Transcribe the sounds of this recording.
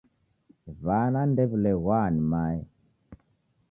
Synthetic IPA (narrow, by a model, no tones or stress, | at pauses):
vanandevleɣwanimaj